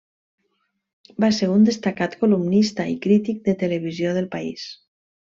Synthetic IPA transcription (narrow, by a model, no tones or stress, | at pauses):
baseɾund̪est̪akat̪kolumnist̪aḭkɾit̪ik̚d̪et̪eleβ̞izjoð̞elpaḭs